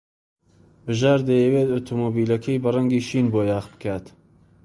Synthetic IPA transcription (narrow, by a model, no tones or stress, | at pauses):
bɨʒaːɾd̪ejɛweːt̪ot̪ʰomoːbiːlɐkʰejbɨraŋɡiːʃiːnboːjɑːχbɨ̥kʰaːt̪